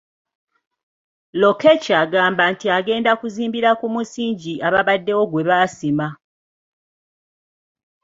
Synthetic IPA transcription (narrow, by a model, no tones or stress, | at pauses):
lo̞kecaɡaːmbantiaɡe̞ːndakuziːmbiɾakumusiːɲɟiʔaβaβadːe̞woɡwe̞βasima